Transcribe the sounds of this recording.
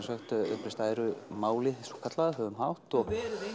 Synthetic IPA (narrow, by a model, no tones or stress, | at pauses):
sœxt̪ʏ̰hpɾɪst̪aːjɾʏmaːwlɪθsɔkʰat̪laðɦœːvʏmhawht̪ɔɣ